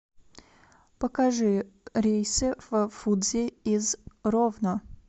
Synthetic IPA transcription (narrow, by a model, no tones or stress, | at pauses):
pəkaʐɨɾʲejsɨv̥fudzʲɪizrovnə